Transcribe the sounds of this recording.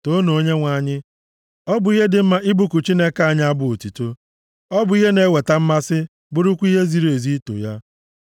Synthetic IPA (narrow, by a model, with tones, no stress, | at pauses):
to˦no˨o˦ɲe˦ŋʷa˨˦˨ɲɪ˦ | ɔ˦bʊ˨i˦ɦe˦dɪ˨m̩˦ma˦ʔɪ˦bu˦˨kʊ˨t͡ʃi˦ne˦ka˨˦˨ɲɪ˦a˦bʊ˦o˨ti˨to˦ | ɔ˦bʊ˨i˦ɦe˦ne˨˦we˨ta˦m̩˦ma˦sɪ˦ | bʊ˦ɾʊ˦kʷu˦i˦ɦe˦zi˨ɾe˨zi˦to̰˨ja˦